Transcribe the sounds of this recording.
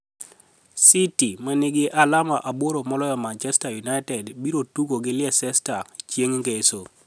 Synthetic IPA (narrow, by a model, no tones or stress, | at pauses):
sitimɛnɪɡɪʔalamaʔaboɾomɔlɔjɔmant͡ʃɛstajunaɪtɛdbiɾotukoɡɪlɪɛsɛstat͡ʃjeŋŋɡeso